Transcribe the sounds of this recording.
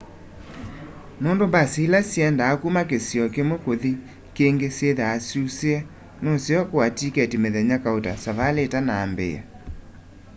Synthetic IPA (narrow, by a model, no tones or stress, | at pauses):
noːndombasilasjɛndaːkumakesjɔkemokoði | keŋɡeseðaːsuseɛ | nɔsjɔkoatikɛtimeðɛɲakaota̰saβaletanaːmbḛa̰